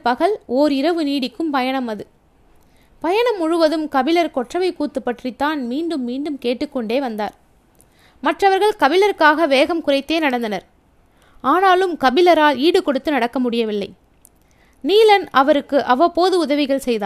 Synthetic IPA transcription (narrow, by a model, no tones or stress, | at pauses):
pɐɣɐɭoːɾɪɾɐʋɯniːɽɪkːɯmpɐjɐɳɐmɐðɯ | pɐjɐɳɐmʊɻɯʋɐðɯmkɐbɪlɐɾkɔʈrɐʋɐɪkuːt̪ːɯpːɐʈrit̪ːaːnmiːɳɖɯmːiːɳɖɯmkeːʈːɯkːɔɳɖeːʋɐnd̪a̰ːɾ | mɐʈrɐʋɐɾɣɐɭkɐbɪlɐɾkaːɣɐʋeːɣɐmkʊrɐɪt̪ːeːnɐɽɐnd̪ɐnɐɾ | aːnaːlɯmkɐbɪlɐɾaːliːɽɯkɔɽɯt̪ːɯnɐɽɐkːɐmʊɽɪjɐʋɪlːɐ̰ɪ | niːlɐnɐʋɐɾɯkːɯʔɐʋɐpoːðɯʊðɐʋɪɣɐɭsɛjða̰ː